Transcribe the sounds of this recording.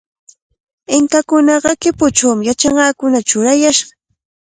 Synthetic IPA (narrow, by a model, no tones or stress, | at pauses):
ɪŋkakʊnɑɢɑkɪpʊt͡ʃawmɪjat͡ʃɑɴɢɑːkʊnat͡ʃʊɾajaʃɢɑ̥